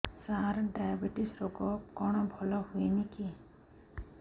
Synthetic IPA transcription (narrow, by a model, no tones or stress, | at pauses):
saɾɖajabiʈisɾɔɡɔkɔɽ̃ɔbʱɔlɔhueniki